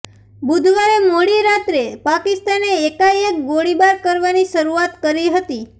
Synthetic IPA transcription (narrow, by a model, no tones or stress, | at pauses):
bud̪ʱʋaɾemoɽiɾat̪ɾepakɪst̪aneːkajek̚ɡoɽibaɾkəɾʋaniʃəɾuat̪kəɾiɦət̪i